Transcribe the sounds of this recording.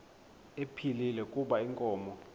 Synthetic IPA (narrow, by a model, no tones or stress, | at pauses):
epʰililɛkʼuɓaiŋkʼɔːmɔ